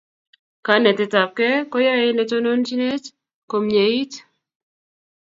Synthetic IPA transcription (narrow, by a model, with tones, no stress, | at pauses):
ka˨˦nɛ˨tɪ˨ta˨p̚kɛ˦kɔ˦ja˦e˦ne˨to˦no˦nt͡ʃi˦ne˦t͡ʃ | ko˨mɲe˨i˦t